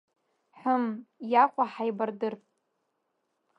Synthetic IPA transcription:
ħʷʊmjaqʷʼaħajbardɨr

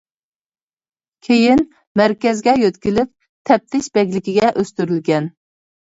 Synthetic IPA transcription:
kʲʰejin | mæɾkʲɛzɡʲɛjøt̪kʲilɪp̚ | t̪ʰɛp̚t̪ʰɪʃbɛɡʲlɪkʲiɡʲɛʔøst̪yɾylɡʲɛn

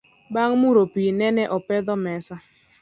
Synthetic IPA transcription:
baŋmuɾopinɛnɛʔɔpɛd̪ɔmɛsa

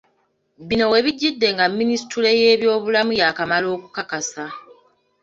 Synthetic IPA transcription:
bino̞we̞βiɟːidːe̞ŋɡamːinistule̞je̞ːβjo̞ːβulamujakamalo̞ːku̥kakasa

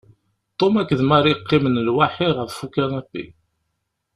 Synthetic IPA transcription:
t̪ˤomækːəðmaɾiqːimənlwaħiʁəffukːænæbːḭ

